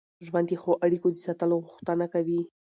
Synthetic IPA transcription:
ʒwand̪jexoʔaɽikod̪əsat̪əloɣʊxt̪ənakawi

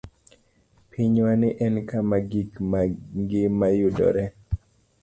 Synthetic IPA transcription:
pʰiɲwanɪʔɛnkamaɡikŋɡɪmajudɔ̰ɾɛ

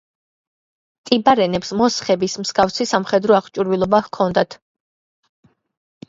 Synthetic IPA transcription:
t̪ʼibaɾɛnɛpsmɔsχɛbismsɡafsisamχɛd̪ɾɔaχt͡ʃʼuɾvilˠɔbahkʰɔnd̪at̪ʰ

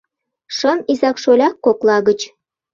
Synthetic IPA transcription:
ʃɤnizɑkʃolʲɑkːoklˠɑɣə̆t͡ɕ

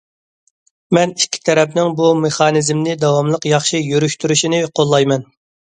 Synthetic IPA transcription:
mɛnikʲʰːi̥t̪ʰɛɾɛpnɪŋbumeχɑːnɪzmnɪd̪ɑwɑmlˠəqjɑχʃijyɾyʃt̪ʰyɾyʃinɪqʰolˠːɑjmɛn

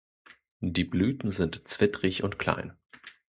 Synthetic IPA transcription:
diːblyːtn̩zɪntt͡sv̥ɪtʁɪçʊntkʰl̥a̰ɪn

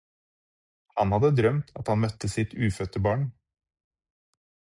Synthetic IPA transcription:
hɑnhɑd̪əd̪ɾœmt̪ʰɑ̰t̪hɑnmœt̪əsɪt̪ʰʉːfœt̪əbɑːɳ

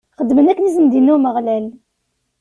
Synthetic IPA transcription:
χəd̪ːmənækːənizənd̪inːuməʁlæl

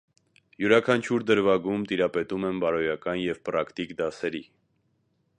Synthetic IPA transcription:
juɾɑkʰɑnt͡ʃʰuɾd̪əɾvɑɡumt̪iɾɑpɛt̪umɛnbɑɾɔjɑkɑnjɛvpɾɑkt̪ikd̪ɑsɛɾi

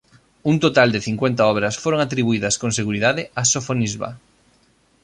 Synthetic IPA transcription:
unt̪ot̪ald̪ɪθiŋkwent̪aɔβɾɐsfoɾoŋat̪ɾiβuiðɐskõŋseɣuɾiðaðɪasofonizβa̰

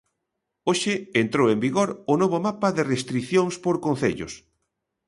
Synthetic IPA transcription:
oʃɪent̪ɾowembiɣoɾʊnoβʊmapaðɪrest̪ɾiθjoŋspoɾkon̟θeʎʊs

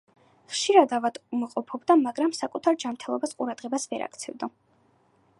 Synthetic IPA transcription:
χʃiɾad̪avad̪umaqʼɔpʰɔbd̪amaɡɾamsakʼut̪ʰaɾd͡ʒamɾt̪ʰɛlˠɔbasqʼuɾad̪̥ʁɛbasvɛɾa̰k̚ʰt̪sʰɛvd̪ɔ

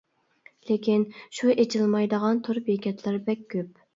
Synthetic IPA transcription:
lekʲinʃuʔet͡ʃʰilˠmɑjd̪əʁɑnt̪ʰʊɾbekʲʰɛt̪ʰlæɾbɛk̚ʲːøp̚

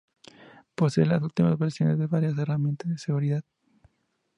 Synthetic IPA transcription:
po̞seelasult̪imazβeɾsjo̞ne̞zðeβaɾjas̬e̞ramjent̪azðeseɣuɾiðað

